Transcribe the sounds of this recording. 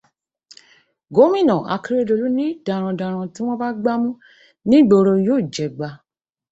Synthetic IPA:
ɡo˨˦mĩ˦˨nɔ̃˨a̰˨˧ki˦ɾe˦do˧lu˨˦nĩ˦da˨ɾ̃ã˧dã˨ɾ̃ã˧ti˦w̃ɔ̃˦ba˦ɡ͡ba˦mũ˦ | nĩ˦˨ɡ͡bo˨ɾo˧joː˦˨d͡ʒɛ˨ɡ͡ba˧

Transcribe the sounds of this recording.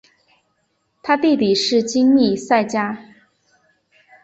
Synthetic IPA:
t̪ʰa˥t̪i˥˩p̪i˨˩ʂɻ̩˥˩t͡ɕi˥ŋni˥˧˩sa˥˩ɪt͡ɕja˥

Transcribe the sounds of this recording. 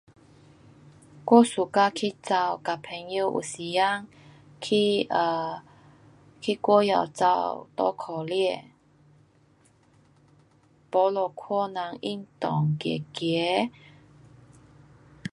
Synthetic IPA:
kwɔ˥˦su˨˩ka˧kʰi˦t͡sa˧wka˨˩pʰɛ˧ŋju˧ʔṵ˨˩si˨˩ja˦ŋ | kʰi˧ʔə˧˩ | kʰi˦˧kwɔ˥˦ja̰˨˩˨wt͡sa̰˧wt̪ɔ̰˦kʰɔ˨˩liɛ˥˧˨ | po˨˧˦lo˨˧kʰɔ˥˧na˨˦ŋḭ˧˥ŋt̪ɔ˨˩ŋkjɛ̰˨˩kjɛ˨˦

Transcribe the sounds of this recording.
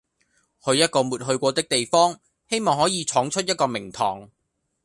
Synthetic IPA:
hɵ˨˧ɥjɐ˥t̚kɔː˧muː˨t̚ɦɵ˧ɥkʷɔː˧t̪ɪ˥k̚t̪e˨jfɔː˥ŋ | he˥jmɔː˨ŋhɔː˨˥jiː˨˧t͡ʃʰɔː˨˥ŋt͡ʃʰɵ˥t̚jɐ˥t̚kɔː˧mɪ˨˩ŋt̪ʰɔ̰ː˨˩ŋ

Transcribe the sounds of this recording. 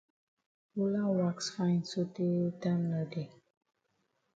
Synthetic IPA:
u˦lã˦ŋwa˦ksfã˦jnso˦te˦ta˦mnə˨de˨

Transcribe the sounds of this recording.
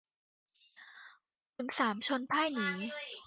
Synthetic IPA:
ku˩˦nsaː˩˦mt͡ɕʰo˧npʰaː˥˩jniː˩˦

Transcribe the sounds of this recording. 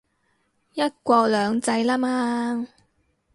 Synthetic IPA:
jɐ˥t̚kʷɔː˧k̚lœː˨˧ŋt͡sɐ˧jlaː˥maː˦

